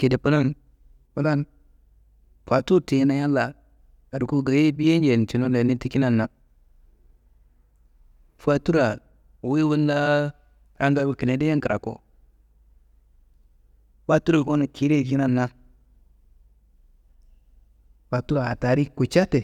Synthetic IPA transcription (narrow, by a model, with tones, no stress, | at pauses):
ke˨de˨pu˦na˦n | pu˦na˦n | fa˨tu˦te˨˦na˦ja˦la˨ | ka˨du˨ku˦ɡa˨ji˦bi˦je˦nd͡ʒe˨n˨ti˨no˦e˨ni˦ti˦ki˦na˦˨nːa˨ | fa˨tu˦ɾa˨ | wi˦wu˦nda˦ | ja˦nda˦bu˨ki˨ne˨˦de˦je˦ki˨ɾa̰˨ko̰˨ | fa˦tu˦ɾa˨ko˦na˨ki˦ɾe˦˨vi˦na˦nːa˦ | fa˨tu˦ɾa˨a˨ta˨ɾi˦ku˨t͡ʃa˦te˨